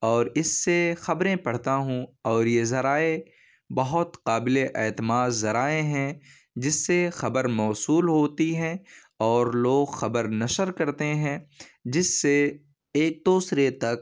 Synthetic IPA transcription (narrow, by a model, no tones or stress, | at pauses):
ɔːɾɪsːexɐbɾẽpɐɽ̤t̪aɦũɔːɾjezɐɾaːe | bɐɦʊt̪qaːbɪleʔɛːt̪ɪmaːd̪zɐɾaːeɦɛ̃ | d͡ʒɪsːexɐbəɾmɔːsuːlɦoːt̪iɦɛ̃ | ɔːɾloːɡxɐbəɾnɐʃəɾkɐɾt̪eɦɛ̃d͡ʒɪsːe | eːk̚t̪oːsɾet̪ɐk̚